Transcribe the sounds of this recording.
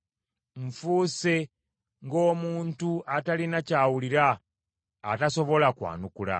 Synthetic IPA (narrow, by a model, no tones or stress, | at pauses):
ɱ̩fuːse̞ | ŋɡo̞ːmuːntuatalinacaːwuliɾaː | taso̞βo̞lakwa̰ːnukula̰